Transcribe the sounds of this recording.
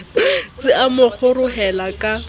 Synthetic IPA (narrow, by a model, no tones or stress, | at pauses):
sɪʔamʊk͡xʰʊrʊɦɛlakʼa